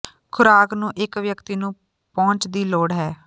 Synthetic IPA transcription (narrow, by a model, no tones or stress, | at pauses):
kʰʊɾaːknũːʔɪkʋjəkt̪iːnũː | pɔ̃ːɲt͡ʃd̪iːloːɽɦɛː